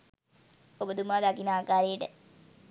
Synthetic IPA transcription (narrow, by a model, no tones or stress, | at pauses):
obəd̪umaːd̪akinaːkaːɾejəʈə